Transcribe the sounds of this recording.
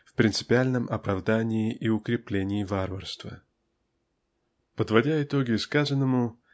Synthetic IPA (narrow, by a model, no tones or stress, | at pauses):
fpɾʲɪnt̪sɨ̥pʲɪalʲnəmʔɐpɾɐvd̪anʲɪːʔɪʊkɾʲɪplʲenʲɪːvarvərst̪və̰ | pəd̪vɐdʲaɪt̪oɡʲɪskazənːəmʊ